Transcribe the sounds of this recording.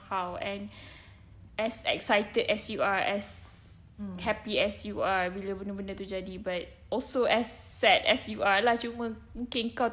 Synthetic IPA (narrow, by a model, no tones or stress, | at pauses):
hawɛ̃n | ʔɛsɛ̰ksajtədɛsjuaɛs | hɛpiɛsjuawiləbənəbənə̃t̪ud͡ʒadibat̚ | ɔlsoɛsːɛtɛ̰sjualad͡ʒumə̃ | ũkĩŋka